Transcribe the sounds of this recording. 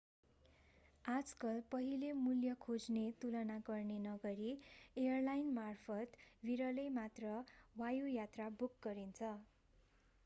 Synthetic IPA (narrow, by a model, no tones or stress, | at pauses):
ad͡zkʌlpʌɦilemuljʌkʰod͡znet̪ulʌnaɡʌrnenʌɡʌɾiejʌrlajnmarpʰʌt̪wiɾʌlʌjmat̪rʌwajujat̪rabukɡʌɾint͡sʰʌ